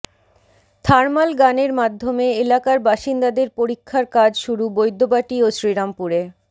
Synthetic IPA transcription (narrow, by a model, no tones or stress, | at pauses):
t̪ʰaɾmalɡaneɾmad̪ʱːomeelakaɾbaʃind̪ad̪eɾpoɾikʰːaɾkad͡ʑʃuɾubojd̪ʱːobaʈioʃɾiɾampuɾe